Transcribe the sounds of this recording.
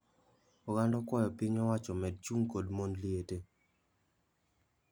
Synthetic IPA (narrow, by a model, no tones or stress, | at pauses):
ɔɡandɔkwɔjɔpiɲɔwat͡ʃɔmɛd̚t͡ʃuŋkodmonliete